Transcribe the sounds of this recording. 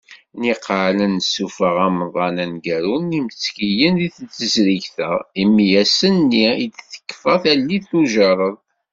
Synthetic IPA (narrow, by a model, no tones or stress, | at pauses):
niqʕlənsufəʁæmðˤɑnænɡæɾunimt͡sːkijənðiθət͡sːəzɾiʝθæimjæsənːiid̪θə̥kːfəθælːiθuʒɑɾˤəðˤ